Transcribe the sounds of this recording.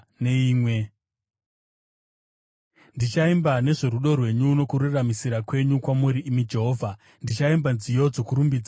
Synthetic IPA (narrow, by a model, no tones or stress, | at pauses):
ne̞iːmwe̞ | ndit͡ʃaimbane̞ʐe̞ɾuɗo̞rwe̞ɲuːno̞kururamisiɾakwe̞ɲukwamuɾiːmid͡ʒe̞ɦo̞ːvʱa | ndit͡ʃaimbanzijo̞d͡zo̞kuɾumbid͡za